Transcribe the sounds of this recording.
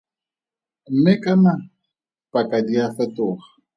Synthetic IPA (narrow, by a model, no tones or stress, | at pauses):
m̩mɪkʼana | pʼakʼadiafɛtʊːχḁ